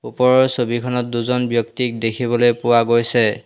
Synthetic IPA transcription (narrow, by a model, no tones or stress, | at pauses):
upɔɹɔɹsobikʰɔnɔt̚duzɔnbjɔktik̚dekʰibɔlojpʊwaɡojsɛ